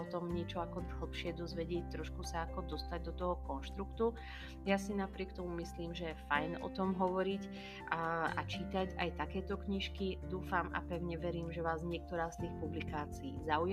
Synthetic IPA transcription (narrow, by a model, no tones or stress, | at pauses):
ɔt̪ɔmɲɪɛt͡ʃɔakɔɦl̩pʃɪɛd̪ɔzʋɛɟɪɛc̚t̪ːɾɔʃkusaːkɔd̪ɔst̪aɟ̚d̪ɔt̪ɔɦɔkɔnʃt̪ɾukt̪u | jasinapɾɪɛkt̪ɔmumisliːmʒɛjɛfajnɔ̰t̪ɔmɦɔʋɔɾic | ʔa̰t͡ʃit̪aca̰jt̪akɛːt̪ɔkɲiʃkid̪uːfama̰pɛʊɲɛʋɛɾiːmʒɛʋaːzɲɪɛk̚t̪ɔɾaːst̪iːxpublikaːt͡siiːzauj